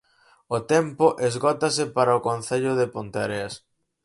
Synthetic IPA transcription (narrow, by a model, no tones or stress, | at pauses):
ot̪empʊʔezɣɔt̪ɐsɪpaɾɐʊkonθeʎʊðɪpont̪aɾeas